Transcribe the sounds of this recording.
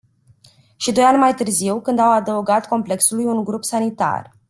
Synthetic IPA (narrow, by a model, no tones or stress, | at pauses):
ʃid̪o̞janʲmajt̪ɨrziwkɨnd̪awad̪əuɡat̪ko̞mple̞ksulujunɡɾupsanit̪a̰r